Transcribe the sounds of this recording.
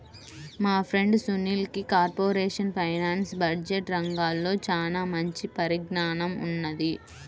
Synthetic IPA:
maːpʰɾe̞ɳɖsuniːlkikaːɾpoːɾeːʂɐnpʰɐjnaːnsbɐd͡ʒeʈɾɐŋɡaːlːo̞ːt͡ʃaːlaːmɐɲt͡ʃipɐɾiɡɳaːnɐmṵnːɐd̪i

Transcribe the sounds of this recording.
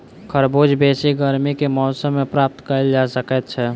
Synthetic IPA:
kʰəɾboːd͡ʒbeːsiɡəɾmikemɔsəmːẽpɾaːp̚t̪kəld͡ʒasəkɛt̪̚t͡ʃʰɛ

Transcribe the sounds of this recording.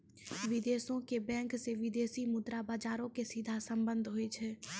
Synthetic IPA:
ʋɪd̪eːsõkebɛ̃ːŋkseʋɪd̪eːsimʊd̪ɾabaːd͡ʒaːɾõkesid̪ʱasə̃mbə̃nd̪ʱɦoet͡ʃʰɛː

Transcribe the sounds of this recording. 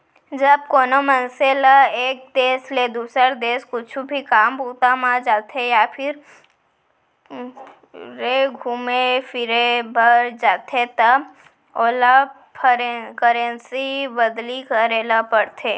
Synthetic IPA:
d͡ʒəb̚koːnomənseːlaeːk̚d̪eːsled̪uːsəɾd̪eːskʊt͡ʃʰubʱikaːmbuːt̪amãd͡ʒaːt̪ʰejapʰɪɾ | ɾeɡʱumepʰɪɾebʱəɾd͡ʒaːt̪ʰet̪ə | oːla | pʰəɾkəɾẽnsibəd̪likəɾeːlapəɽt̪ʰeː

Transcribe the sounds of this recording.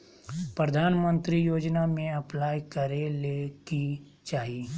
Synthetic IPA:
pɾəd̪ʱaːnmə̃nt̪ɾijoːd͡ʒnamẽɐplaːjkəɾeleki | t͡ʃaːɦieː

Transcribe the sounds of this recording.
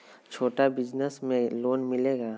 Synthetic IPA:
t͡ʃʰoːʈabɪd͡ʒnəsmẽloːnmɪleːɡaː

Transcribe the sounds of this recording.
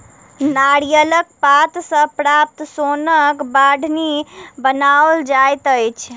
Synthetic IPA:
naɽijələkpat̪sə̃pɾap̚t̪sonəkbaɖʱnibənaold͡ʒajt̪əjt͡ʃʰ

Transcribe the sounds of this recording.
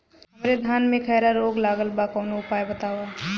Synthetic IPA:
ɦɐmɾed̪ʱaːnmẽkʰɛːɾaɾoːɡlaːɡəlbakɔːnoʊpaːjbɐt̪aːʋa

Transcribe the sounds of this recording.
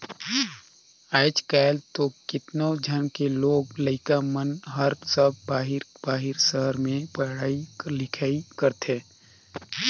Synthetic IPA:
aːɪt͡ʃkaːlt̪okɪt̪nod͡ʒʱənkeloːɡləɪkamənɦəɾsəb̚baːɦɪɾbaːɦɪɾsəɦəɾmẽpəɽaːilɪkʰaːikəɾt̪ʰeː

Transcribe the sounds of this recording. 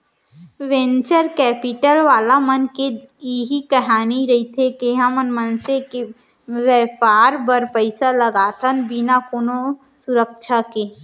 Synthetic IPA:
ʋẽnt͡ʃəɾkɛːpɪʈəlʋaːlamənke | iɦikɐɦaːniɾɐɦit̪ʰekeɦãmənmənseke | ʋɛːpaːɾbɐɾpəɪsaləɡaːt̪ʰənbinakono | sʊɾəkʃʰakeː

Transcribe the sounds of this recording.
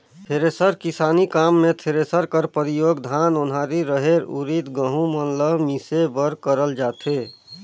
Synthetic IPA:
t̪ʰeɾesəɾkisaːnikaːmːẽt̪ʰeɾesəɾkəɾpəɾijoːɡd̪ʱanʊnɦaɾiɾəɦeɾṵɾit̪ɡəɦũmənləbmisebəɾkəɾəld͡ʒaːt̪e

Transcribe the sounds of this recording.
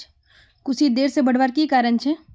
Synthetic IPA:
kʊsid̪eːɾsebɐɽ̤ʋaːɾkikaːɾənt͡ʃʰe

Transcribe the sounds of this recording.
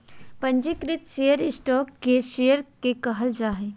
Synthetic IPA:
pɐ̃ɲd͡ʒikɾɪt̪ʃejəɾɪsʈɔːkːeʃejəɾkekɐɦəld͡ʒaːɦeː

